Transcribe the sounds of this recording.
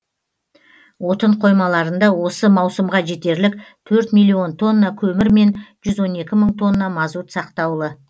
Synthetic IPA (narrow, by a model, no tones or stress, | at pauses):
wo̞t̪əɴqʰo̞jmɑlˠɑɾənd̪ɑwo̞səmɑwsəmʁɑʒe̞t̪e̞ɾlɪk̚t̪ʰɵɾt̪mijlʲːio̞nt̪ʰo̞nːɑkʲʰɵmɪɾme̞nʒ̥ʏzwo̞ne̞kʲɪməɴt̪ʰo̞nːɑmɑzut̪sɑqt̪ɑwlˠə